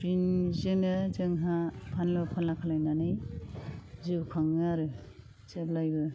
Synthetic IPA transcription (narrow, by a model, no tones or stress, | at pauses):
binzɯnɯzɯŋɦapʰanlɯpʰanakʰalajnanɯj | zɯbkʰaŋaɾɯ | t͡ʃeblajbɯ